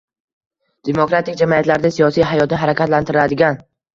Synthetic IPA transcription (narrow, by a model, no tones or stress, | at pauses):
d̪̥e̞mokɾat̪ʰɪkʲd͡ʒamiat̪laɾd̪asijɒsijɦajɒt̪nɪɦaɾakʲʰat̪lant̪ʰɪɾɪlad̪ɪɡʲan